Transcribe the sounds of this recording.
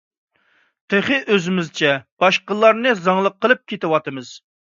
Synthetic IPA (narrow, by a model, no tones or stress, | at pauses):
t̪ʰɪχɨʔøzɪmɪzt͡ʃʰɛb̥ɑʃqəlˠːɑɾnɨzɑŋlˠəqʰːəlˠɨp̚kʲʰet̪ɪwɑt̪ɨmɨz̥